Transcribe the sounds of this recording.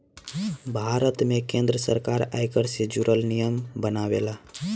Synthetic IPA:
bʱaɾət̪mẽkẽnd̪ɾəsə̰ɾkaɾa̰jkəɾsed͡ʒuɾəlnijəmbənaʋḛla

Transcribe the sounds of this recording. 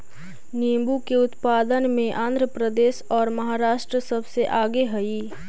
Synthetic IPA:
niːmbukeʊt̪paːd̪ənmẽʔãːnd̪ʱɾəpɾəd̪eːʃɔːɾmɐɦaːɾaːʃʈɾəsɐbseʔaːɡeɦɐi

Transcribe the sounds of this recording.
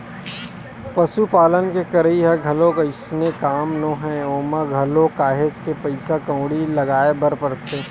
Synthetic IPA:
pɐsupaːlənkekɐɾəiɦɛɡʱɐlõkaɪsnekaːmnoːɦɛ̃oːmaɡʱɐlõkaːɦed͡ʒkepɐɪsakɐ̃ʊɽilɐɡaːebɐɾpɐɾt̪ʰeː

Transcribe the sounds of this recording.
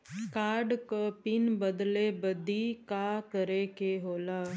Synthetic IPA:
kaːɾɖkopɪnbəd̪lebəd̪ikakəɾekeɦoːlaː

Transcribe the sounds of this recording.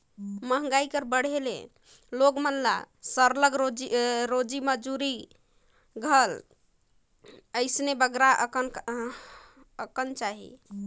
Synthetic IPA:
məɦŋɡaikəɾbəɽ̤ʱelḛ | loɡmənla̰ | səɾləɡɾod͡ʒiɾod͡ʒiməd͡ʒuɾi | ɡʱəl | əɪsnebəɡɾakən | əkənt͡ʃaɦḭ

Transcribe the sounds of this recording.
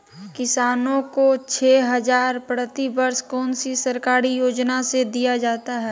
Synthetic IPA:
kɪsaːnõkot͡ʃʰeːɦɐzaːɾpɾət̪ibəɾskɔːnsisɐɾkaːɾijoːd͡ʒnased̪ijad͡ʒaːt̪aɦɛː

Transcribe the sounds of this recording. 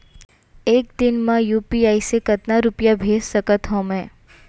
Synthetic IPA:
eːk̚d̪ɪnmãjuːpiaːisekɐt̪naɾʊpjabʱeːssəkət̪ɦõːmɛ̃ː

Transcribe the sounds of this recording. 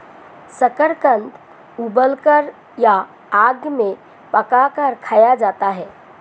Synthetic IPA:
səkəɾkə̃nt̪ | ubəlkəɾ | ja | aːɡmẽ | pəkakəɾkʰaːjad͡ʒaːt̪aɦɛː

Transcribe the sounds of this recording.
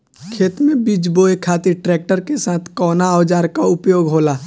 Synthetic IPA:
kʰeːt̪mẽbid͡ʒboːekʰaːt̪ɪɾʈɾɛːk̚ʈəɾkesaːt̪ʰkɔːnaɔːd͡ʒaːɾkaʊpjoːɡɦoːlaː

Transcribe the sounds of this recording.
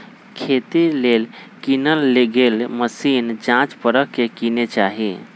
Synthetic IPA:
kʰet̪ilelkinəlːeɡelməsind͡ʒãt͡ʃpəɾəkkːekinet͡ʃaːɦi

